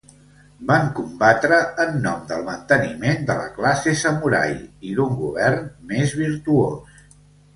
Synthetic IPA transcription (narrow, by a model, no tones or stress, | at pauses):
baŋkumbat̪ɾəːnːɔmd̪əlˠmənt̪ənimend̪ələ̰klasesəmuɾa̰jiðuŋɡuβ̞ɛrnmezβ̞iɾt̪uos